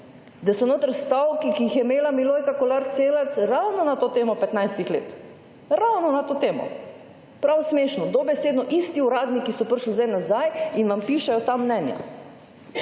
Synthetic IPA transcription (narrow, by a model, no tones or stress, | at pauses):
d̪asɔnoːt̪əɾst̪awkikijixjɛmeːlamiloːjkakɔlaɾt̪seːlat̪sɾawnɔnat̪oːt̪eːmɔpɛt̪najst̪ixleːt̪ | ɾawnɔnat̪oːt̪eːmɔ̰ | pɾawsmeːʃnɔd̪ɔbɛseːd̪nɔʔist̪iuɾaːd̪nikisɔpəɾʃlizd̪ajnazajinʋampiːʃɛjɔt̪amːnɛnja̰